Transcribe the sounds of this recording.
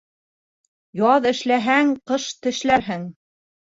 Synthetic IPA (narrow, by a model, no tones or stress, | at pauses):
jɑðɘ̆ʃlæɦæŋqɤʃt̪ɘ̆ʃlæɾɦɘŋ